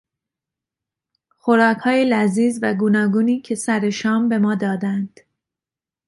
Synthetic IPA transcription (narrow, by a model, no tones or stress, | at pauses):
xo̞ɾɒːkʰhɒːjelæziːzvæɡuːnɒːɡuːniːcʰe̞sæɾe̞ʃɒːmbe̞mɒːd̪ɒːd̪ænd̪̥